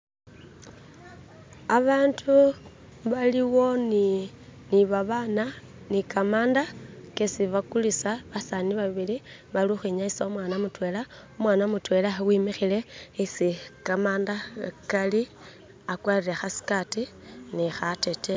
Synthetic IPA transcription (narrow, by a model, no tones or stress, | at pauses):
aβaːntʰu | βaliwo̞ni | niβaβana | nikamaːndakesiβakulisaβasaniβaβiliβaluxiɲaisomwaːnamutwe̞ːla | omwaːnamutwe̞lawimixile̞isikamaːndakali | akwaliɾexasi̥kati | nixate̞te